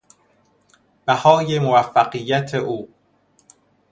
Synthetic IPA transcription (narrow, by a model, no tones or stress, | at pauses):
b̥æhɒːje̞movæfːæɢijːæt̪ʰeʔuː